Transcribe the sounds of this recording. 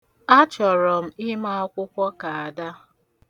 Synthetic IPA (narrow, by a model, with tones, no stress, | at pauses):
a˦t͡ʃɔ˨ɾɔ˨m̩˦ɪ˦ma˦ɔ˦kʷʊ˦kʷɔ˦ka˨a˨da˦